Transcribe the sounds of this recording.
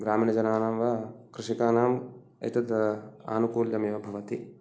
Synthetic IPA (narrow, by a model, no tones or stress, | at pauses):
ɡɾaːmiːnɐd͡ʒɐnaːnɐmʋɐkɾɪʂikaːnaːm | ɐ̰t̪ɐt̪a̰ːnukuːljɐmeːʋɐbʱɐʋɐt̪i